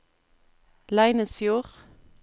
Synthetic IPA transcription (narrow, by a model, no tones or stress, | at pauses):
læɪnəsfjuːʁ